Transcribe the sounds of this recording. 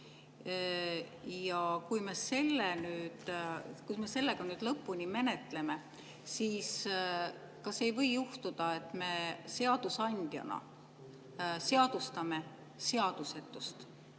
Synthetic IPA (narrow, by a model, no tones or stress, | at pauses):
jɑkujme̞se̞lːenyːd̪̥kusme̞se̞lːe̞ɡ̥ɑnyːd̪̥lɤpːunʲime̞ne̞t̪le̞me̞ | siːs | kɑse̞jvɤ̞jːuht̪ud̪̥ɑe̞t̪ːˑme̞se̞ɑd̪̥usɑnʲd̪̥jɑ̰nɑ̰ | se̞ɑd̪̥ust̪ɑme̞ | se̞ɑd̪̥use̞t̪ːˑust̪